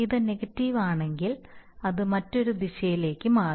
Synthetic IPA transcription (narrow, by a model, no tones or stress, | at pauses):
iðɨneɡɐtːiʋaːɳe̞ŋɡilɐðɨmɐtːo̞ɾud̪iɕɐjile̞ːkːɨmaː